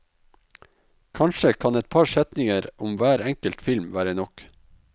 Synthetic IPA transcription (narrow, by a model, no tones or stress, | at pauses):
kʰɑnʃəkʰɑnɛt̪̚pʰɑɾʃɛt̪nɪŋəɾʊmʋæːɾɛŋkəlt̪fɪlmʋæːɾənɔk